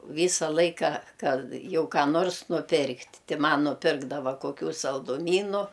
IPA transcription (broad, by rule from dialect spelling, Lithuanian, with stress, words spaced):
ˈʋʲiːsɐ ˈlˠɐɪkɐ ˈkɐt ˈjɛʊ kɑː ˈnoːrs nʊˈpʲɪrktʲ ˈtʲɪ ˈmɐn nʊˈpʲɪrɡdɐʋɐ koːˈkʲuː sɐlˠdʊˈmʲiːnʊ